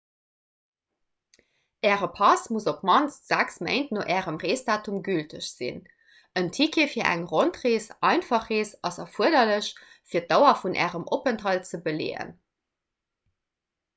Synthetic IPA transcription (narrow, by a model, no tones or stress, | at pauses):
ʔɛːʁəpʰɑsmuzopmɑnsz̥æksmḛɪntnoʔɛːʁəmʁeːsdaːtʰumɡyltʰəɕz̥ḭn | əntʰikʰeːfiːɐʔæ̰ŋʁontʁeːsɑɪnfɑχeːsɑsɑfuədɐləɕ | fiːɐt̚dɑʊɐfunʔɛ̰ːʁəmʔopəntɦɑlt͡səbəlḛːə̰n